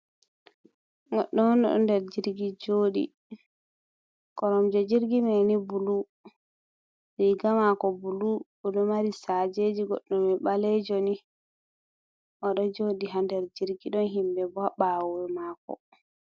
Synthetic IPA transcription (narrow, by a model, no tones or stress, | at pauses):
ɡɔ̰ɗːɔɔnɔ̰ɗɔ̰ndɛɾd͡ʒiɾɡid͡ʒoːɗḭ | kɔɾɔmd͡ʒɔd͡ʒiɾɡimɛnibulu | ɾiɡamakɔbulubɔɗɔmaɾisad͡ʒed͡ʒiɡɔ̰ɗːɔmɛɓalɛd͡ʒoni | ʔɔɗɔd͡ʒoɗiɦandɛɾd͡ʒiɾɡiɗɔnɦimbɛbaɓawɛmaːkɔ̰